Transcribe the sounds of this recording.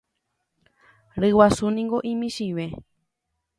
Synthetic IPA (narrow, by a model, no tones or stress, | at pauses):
ɾɨwasunĩŋɡo̞ʔĩmĩʃiʋe